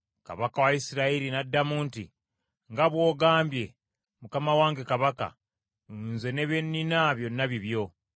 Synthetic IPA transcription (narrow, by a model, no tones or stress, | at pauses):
ka̰βakawaisiɾaiɾinadːamuːnti | ŋɡaβwo̞ːɡaːmbje̞ | mukamawaːŋɡe̞kaβaka̰ | unze̞ne̞βenːinaβjo̞nːaβiβjo̞